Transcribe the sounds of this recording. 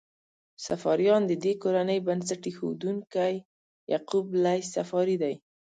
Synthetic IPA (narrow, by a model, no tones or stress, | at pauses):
safɑɾjɑnd̪əd̪ekoɾanəjbans̬aʈexo̰d̪uŋkaj | ja̰qublajsafɑɾid̪aj